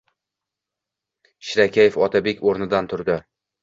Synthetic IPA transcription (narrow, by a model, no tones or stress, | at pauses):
ʃɪɾakʲʰajefɒt̪ʰabe̞kʲoɾnɪd̪ant̪ʰʊɾd̪ɪ